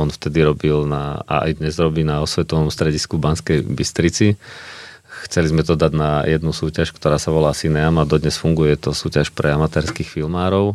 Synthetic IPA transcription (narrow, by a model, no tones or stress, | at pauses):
ɔnft̪ɛd̪iɾɔbilna̰a̰a̰jd̪ɲɛzɾɔbiːnaɔsʋɛt̪ɔʋɔmst̪ɾɛɟiskubanskɛjbist̪ɾit͡si | xt͡sɛlizmɛt̪ɔd̪aɟnajɛd̪nusuːcaʃkt̪ɔɾaːsaʋɔlaːsinɛamad̪ɔd̪ɲɛsfuŋɡujjɛt̪ɔsuːcaʃpɾɛamat̪ɛːɾskixfilmaːɾɔʊ